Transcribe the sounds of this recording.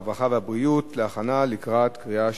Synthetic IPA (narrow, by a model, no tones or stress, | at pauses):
vaχavehabʁiutleaχanalikʁat̪kʁia